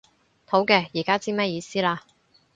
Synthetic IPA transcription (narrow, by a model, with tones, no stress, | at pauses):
t̪ʰo˨˥wkɛː˧jiː˨˩kaː˥t͡siː˥mɐ˥jiː˨˧siː˥laː˧